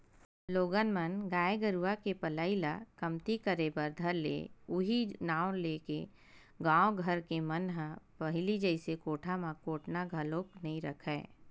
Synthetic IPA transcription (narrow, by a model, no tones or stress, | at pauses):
loːɡənmənɡaːeɡəɾuʋakepəlaːilakɐmt̪ikəɾebəɾd̪ʱɐɾlḛːʊɦinaːwleːke | ɡãːwɡʱəɾkemənɦə̃pɐɦɪlid͡ʒəɪsekoːʈʰamãkoːʈʰnaɡʱəloːknɐɦĩɾɐkʰɛː